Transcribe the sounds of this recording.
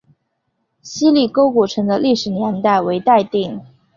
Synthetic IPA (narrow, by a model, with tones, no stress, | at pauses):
ɕi˥li˥˩ko˥ʊku˨˩ʈ͡ʂʰɤ˧˥ŋd̪ə˧li˥˩ʂɻ̩˨˩njɛ˧˥nt̪a˥˩ɪwe˧˥ɪt̪a˥˧ɪt̪i˥˩ŋ